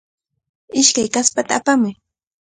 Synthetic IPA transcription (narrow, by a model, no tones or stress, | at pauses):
ɪʃkajkaspat̪aːpamʊj